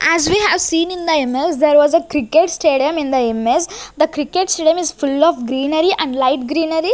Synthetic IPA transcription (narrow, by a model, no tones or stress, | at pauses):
ʔæzʋiɦæʋsĩːnɪ̃nd̪əemesd̪ɛːɾʋɔːzəkɾɪkeʈsʈeːɖiə̃mɪ̃nd̪əemesd̪əkɾɪkeʈsʈeːɖijə̃mɪzfʊlɔːfɡɾĩːnəɾiʔæ̃ɳɖlaɪʈ̚ɡɾĩːnəɾi